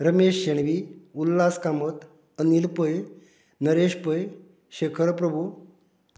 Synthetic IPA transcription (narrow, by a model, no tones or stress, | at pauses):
ɾəmeɕːeɳʋiulːaskamət̪ | ənilpəj | nəɾeɕpəj | ɕekʰəɾpɾəbʱu